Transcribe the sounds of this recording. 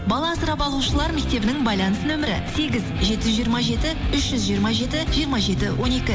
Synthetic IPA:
bɑlˠɑsəɾɑpɑlˠuʃəlˠɑɾme̞k̚t̪e̞bɪnɪŋbɑjlˠɑnəsənɵmɪɾɪ̰se̞ɡʲɪzʒe̞t̪ɪʒʏzʒijəɾmɑʒe̞t̪ɪʏʃʒ̥ʏzʒijəɾmɑʒe̞t̪ɪʒijəɾmɑʒe̞t̪ɪwʔo̞ne̞kʲɪ

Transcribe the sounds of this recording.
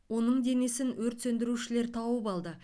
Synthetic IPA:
wo̞nəɴd̪e̞ne̞sɪnwɵɾt̪sɵnd̪ɪɾuʃɪle̞ɾt̪ʰɑwəpɑlˠd̪ə

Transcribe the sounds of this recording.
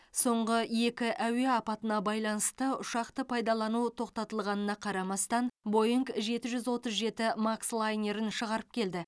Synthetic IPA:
so̞ɴʁəje̞kʲɪʔæwe̞ɑpɑt̪ənɑbɑjlˠɑnəst̪əʊʃɑqt̪əpʰɑjd̪ɑlˠɑnut̪ʰo̞q̚t̪ɑt̪əlˠʁɑnənɑqʰɑɾɑmɑst̪ɑnbo̞jiŋɡʒe̞t̪ɪʒʏzwo̞t̪əzʒe̞t̪ɪmakslˠajnʲe̞ɾɪnʃəʁɑɾəp̚kʲʰe̞ld̪ɪ

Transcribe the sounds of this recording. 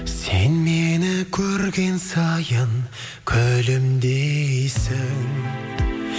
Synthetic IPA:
senmenɪkʲʰɵɾɡʲe̞nsɑjəŋ | kʲʰɵlɪmd̪ejsɪŋ

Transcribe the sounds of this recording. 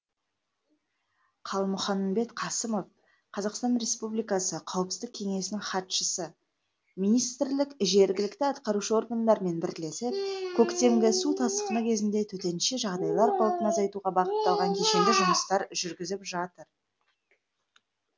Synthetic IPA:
qʰɑlˠmʊχɑmbe̞t̪qʰɑsəmo̞f | qʰɑzɑqst̪ɑnɾe̞spublijkɑsəqʰɑwəpsəzd̪ɪkʲʰe̞ŋe̞sɪnɪŋχɑt̪ʃəsə | mijnijst̪ɪɾlɪkʒe̞ɾɡʲɪlɪkt̪ɪɑt̪qɑɾuʃəo̞ɾɡand̪ɑɾme̞nbɪɾd̪ɪle̞sɪp̚kʲʰɵkt̪e̞ŋɡʲɪsut̪ʰɑst̪ə̥qənəkʲʰe̞zɪnd̪e̞t̪ʰɵt̪e̞nʃeʒɑʁd̪ɑjlˠɑɾqʰolˠət̪ənɑzɑjt̪uʁɑbɑqət̪ːɑlˠʁɑŋkʲʰe̞ʃenɡ̪ɪʒʊməst̪ɑɾʒʏɾɡʲɪzɪpʒɑt̪əɾ

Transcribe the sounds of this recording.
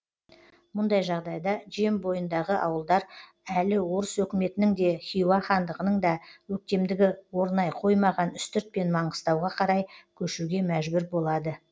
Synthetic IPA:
mʊnd̪ɑjʒɑʁd̪ɑjd̪ɑʒe̞mbo̞jənd̪ɑʁəʔɑwəlˠd̪ɑɾ | ælɪwo̞ɾəswɵkʲɪme̞t̪ɪnɪŋd̪e̞χʲijwɑχɑnd̪əʁənəɴd̪ɑwɵk̚t̪e̞md̪ɪɡʲɪwo̞ɾnɑjqʰo̞jmɑʁɑnʏst̪ʏɾt̪̚pe̞nmɑɴəst̪ɑwʁɑqʰɑɾɑjkʲʰɵʃuɡʲe̞mæʒbʏɾbo̞lˠɑd̪ə

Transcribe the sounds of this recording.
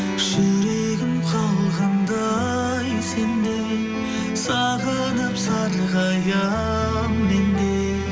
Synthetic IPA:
ʒɵɾeɡʲɪmqʰɑlˠʁɑnd̪ɑ | jsend̪e | sɑʁə | nəpsɑɾʁɑjɑ | mmend̪e

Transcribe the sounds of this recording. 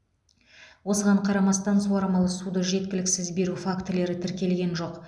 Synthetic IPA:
wo̞səʁɑɴqʰɑɾɑmɑst̪ɑnsuɑɾɑmɑlˠəsud̪əʒe̞t̪̚kʲɪlɪksɪzbe̞ɾufakt̪le̞ɾɪt̪ʰɪɾkʲe̞lɡʲe̞nʒo̞q

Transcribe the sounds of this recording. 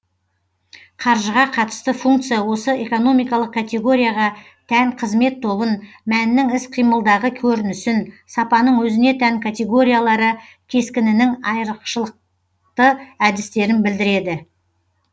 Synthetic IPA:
qʰɑɾʒəʁɑqʰɑt̪ə̥st̪əfuŋk̚t̪sɨjawo̞səeko̞no̞mijkɑlˠəq̚kʰːat̪ʲe̞ɡo̞ɾijaʁɑ | t̪ʰæŋqʰəzme̞t̪ʰːo̞bən | mænːɪŋɪsqʰijməlˠd̪ɑʁəkʲʰɵɾɪnɪsɪnsɑpɑnəɴwɵzɪne̞t̪ʰæŋkʰat̪ʲe̞ɡo̞ɾʲijalˠɑɾə | kʲʰe̞skʲɪnɪnɪŋɑjɾəqʃəlˠəq̚ | t̪əæd̪ɪst̪e̞ɾɪnbɪld̪ɪɾe̞d̪ɪ

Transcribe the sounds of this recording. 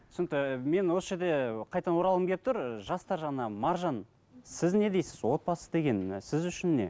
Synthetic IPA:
sʊnt̪əme̞nwo̞səʒe̞ɾd̪e̞qʰɑjt̪ɑnwo̞ɾɑlˠəmkʰʲe̞ɾɪp̚t̪ʰʊɾʒɑst̪ɑɾʒɑʁnɑmɑɾʒɑn | sɪzne̞d̪ejsɪzwo̞t̪̚bɑsəd̪e̞ɡʲe̞nsɪzʏʃɪnːe̞̰

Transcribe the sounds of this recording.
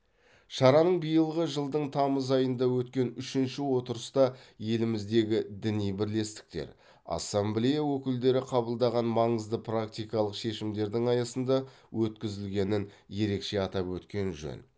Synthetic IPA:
ʃɑɾɑnəɴbijəlˠʁəʒəlˠd̪əɴt̪ʰɑməzɑjənd̪ɑwɵt̪kʲe̞nʏʃɪnʃɪwo̞t̪əɾəst̪ɑje̞lɪmɪzd̪e̞ɡʲɪd̪ɪnijbɪɾle̞st̪ɪ̥k̚t̪e̞̰ɾ | ɑ̰sːemblʲejawɵkʲɪld̪e̞ɾɪqʰɑbəlˠd̪ɑʁɑnmɑɴəzd̪əprak̚t̪ijkɑlˠəqʃe̞ʃɪmd̪e̞ɾd̪ɪŋɑjɑsənd̪ɑ | wʔɵt̪kʲɪzɪlɡʲe̞nɪnje̞ɾe̞kʃe̞ɑt̪ɑpwɵt̪kʲe̞nʒɵ̰n

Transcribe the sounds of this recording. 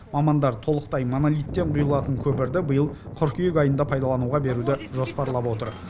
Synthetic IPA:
mɑmɑnd̪ɑɾt̪ʰo̞lˠəqt̪ɑjmonolʲijt̪ːe̞ɴqʰʊjəlˠɑt̪əŋkʲʰɵpɪɾd̪ɪbəjəlˠqʰʊɾkʲʰijekʲɑjənd̪ɑpʰɑjd̪ɑlˠɑnuwʁɑbe̞ɾud̪ɪʒo̞spɑɾlˠɑpwo̞t̪əɾ

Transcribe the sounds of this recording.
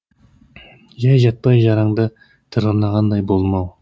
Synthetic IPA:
ʒɑjʒɑt̪̚pɑjʒɑɾɑŋd̪ə | t̪ʰɨɾʁənɑʁɑnd̪ɑjbolˠmɑw

